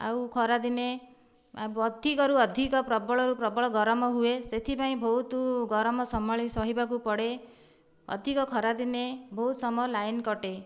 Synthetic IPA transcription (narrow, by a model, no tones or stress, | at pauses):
a̰wkʰɔɾad̪ine | ɔd̪ʱikɔɾuɔd̪ʱikɔpɾɔbɔɭɔɾupɾɔbɔɭɔɡɔɾɔmɔɦueset̪ʰipaĩbʱɔɦut̪uɡɔɾɔmɔsɔmaɭisɔɦibakupɔɽe | ɔ̰d̪ʱikɔkʰɔɾad̪inebɔɦut̪sɔmlajnkɔʈe